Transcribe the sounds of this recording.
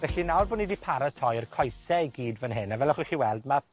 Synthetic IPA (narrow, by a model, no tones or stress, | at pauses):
vɛɬinawrbʊːnidipʰaɾətʰɔjərkʰɔjsɛɡiːdvənɦɪnavɛlˠɔχuxiːwɛlˠdma